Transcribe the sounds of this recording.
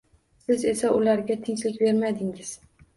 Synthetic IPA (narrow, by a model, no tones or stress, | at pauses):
sɪze̞saʔʊlaɾɡʲat̪ʰɪŋt͡ʃlɪkʲbe̞ɾmad̪ɪŋɪz̥